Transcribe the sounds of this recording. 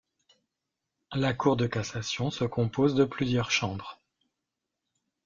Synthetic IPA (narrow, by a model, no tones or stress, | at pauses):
lakuʁd̪əkasasjɔ̃səkɔ̃pozd̪əplyzjœʁʃɑ̃bʁ